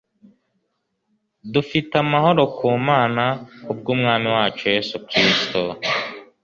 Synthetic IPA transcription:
dufitamahoɾo̞kʰuːmaːnaub̚ɡuːmŋaːmiwaːt͡ʃoje̞ːsukɾisto

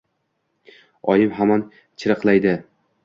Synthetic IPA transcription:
ɒjɪmɦaman | t͡ʃʰɪɾɨqlˠajd̪ɪ

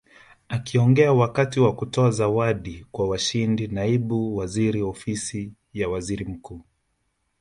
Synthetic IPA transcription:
akiɔŋɡɛawakatiwakutɔazawaɗikwawaʃindinaiɓuwaziɾiɔfisi | jawaziɾim̩kuː

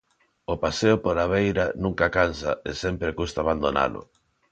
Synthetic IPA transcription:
opaseopoɾaβ̞ejɾanũŋkakansa̰esempɾekust̪aːβand̪ona̰lʊ̰

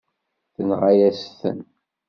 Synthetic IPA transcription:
θənʁajæsθə̰n

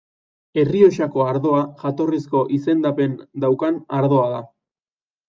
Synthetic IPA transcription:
e̞rio̞ʃako̞aɾðo̞aʝat̪o̞risko̞ʔise̞nd̪ape̞nd̪awkanaɾðo̞aða

